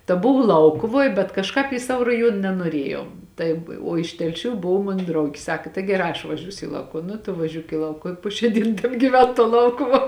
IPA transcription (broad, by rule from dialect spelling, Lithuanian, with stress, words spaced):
tɐ ˈbʊʋoː ˈlˠɐʊkʊʋoːj bʲɛt kɐʃˈkɑːp iː ˈsɑːʋoː rɐˈjuɔn nʲɛnuɔˈrʲiɛjɛʊ ˈtɐɪp oː ɪʃ tʲɛlʲˈʃʲuː ˈboːw ˈmoːn ˈdrɐʊɡʲɪ ˈsɑːkɐ tɐɪ ɡʲɛˈrɑː ɐʃ ʋɐˈʒʲuːsʲʊ ɪ ˈlˠɐʊkʊw ˈnʊ tʊ ʋɐˈʒʲuːk iː ˈlˠɐʊkʊw ɪ ˈpoː ʃʲæː ˈdʲiːn tʲɛbʲɡʲiːˈʋʲɛn tuɔ ˈlˠɐʊkʊʋuɔ